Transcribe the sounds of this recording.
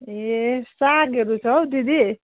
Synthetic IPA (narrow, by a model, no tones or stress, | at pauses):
esakeɾut͡sʰʌwd̪id̪i